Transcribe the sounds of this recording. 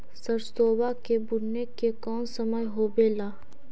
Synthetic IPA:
səɾsoːbakebʊɽnekekɔːnsəməjɦoːbeːlaː

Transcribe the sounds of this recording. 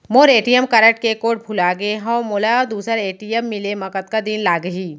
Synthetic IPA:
moːɾeːʈijəmkɐɾəʈ̚kekoːʈ̚bʱʊlaɡeɦɔ̃moːlaɔːɾd̪uːsəɾeːʈijəmːɪlemɐkət̪kad̪inlaːɡəɦiː

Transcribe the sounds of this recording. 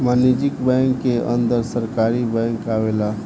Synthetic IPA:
manid͡ʒikbaŋkːeʔə̰nd̪əɾsəɾkaɾibə̃ŋkkaʋela

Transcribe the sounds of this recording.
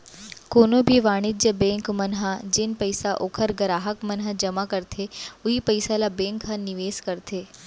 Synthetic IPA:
koːnobʱiʋaːɽ̃ɪd͡ʒjəbẽːŋkmɐnɦad͡ʑɪnpɐɪsaʔoːkʰəɾɡɐɾaːɦəkmɐnɦəd͡ʒɐmakɐɾt̪ʰeʊɦipɐɪsalabẽːŋkʰːãnɪʋeːskɐɾt̪ʰeː

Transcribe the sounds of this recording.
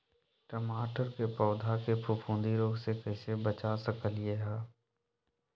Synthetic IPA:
ʈəmaːʈəɾkepɔːd̪ʱakepʰʊpʰũːnd̪iɾoːɡsekɛːsebət͡ʃasəkəlijeɦaː

